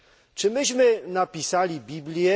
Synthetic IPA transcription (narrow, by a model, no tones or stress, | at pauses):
t͡ʂɘmɘɕmɘnapʲisalʲibʲiblʲjɛ